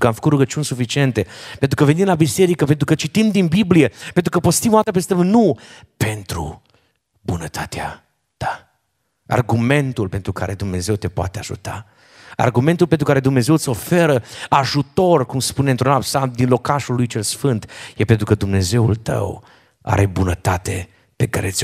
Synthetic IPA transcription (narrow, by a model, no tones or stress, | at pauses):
kəamfəkut̪ɾuɡət͡ʃiunʲsufit͡ʃient̪e̞pe̞nt̪ɾukəvenimlabise̞ɾikəpent̪ɾukət͡ʃit̪imd̪inbiblijepent̪ɾukəpost̪imoat̪əpest̪əmnu | pe̞nt̪ɾṵ | bunət̪ʰat̪ea̰ | t̪a | a̰rɡume̞nt̪ulpe̞nt̪ɾukʰa̰ɾed̪umne̞ze̞wt̪e̞poa̰t̪eaʒṵt̪a̰ | a̰rɡument̪ulpent̪ɾukaɾe̞d̪umneze̞wt̪so̞fe̞ɾəaʒut̪o̞rkumspunent̪ɾunapsad̪inlo̞kaʃulːujt͡ʃe̞lsfɨnt̪jepe̞nt̪ɾukəd̪umne̞ze̞wṵlt̪ə̰w | a̰ɾe̞bunət̪at̪e̞ | pe̞ka̰ɾet̪sʲ